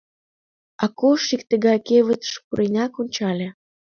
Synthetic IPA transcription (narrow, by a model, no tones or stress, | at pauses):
ɑkoʃikt̪ə̆ɣɑkeβət̪ʃpuɾenʲɑkonʲt͡ɕɑlʲĕ